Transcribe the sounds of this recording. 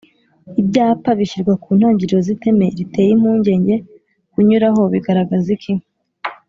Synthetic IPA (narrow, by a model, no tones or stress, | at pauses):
ibɟaːpaβiçiɾɡwakuːn̥haːɲɟiɾiɾozite̞me̞ɾite̞ːjimuːɲɟe̞ːɲɟe̞ | kuɲuɾaɦo̞βiɡaɾaɡazikim